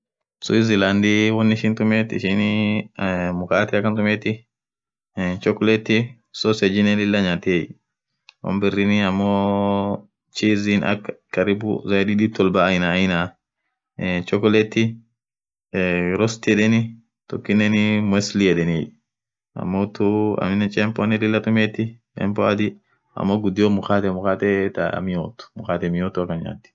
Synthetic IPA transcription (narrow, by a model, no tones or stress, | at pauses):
sṵiziland̪iwɔnːiʃint̪ʊmet̪ɪ̰ʃin | mʊkaːt̪iɐkːɐnt̪ʊmet̪i | t͡ʃɔkːɔlɛt̪ːi | sɔsɛd͡ʒinɛlɪlːaɲat̪iɛj | wɔ̰mbɛrːiniɐmːɔ | t͡ʃizina̰kːkːɐɾibṵzadidit̪ːɔlbaːjnaːjna | t͡ʃʼɔkɔlɛt̪ːɪ | ɾɔst̪ɛᶑɛnɪ | t̪ɔkːɪnːɛnɪmɛslijɛᶑɛni | ɐ̰mːot̪uɐ̰mɪnːɛt͡ʃʼɛmpɔnɛlɪlːɐt̪ʼʊmɛːt̪ːɪt͡ʃɛ̰mpɔɐd̪ɪ | ɐ̰mːɔɡʊd̪ːɪjomʊkaːt̪ɛmʊkaːt̪ɛt̪a̰mɪjoːt̪ːʊ̥mʊkaːt̪ɛmɪjot̪ːʊɐkːɐnɲa̰ːt̪ːɪ̥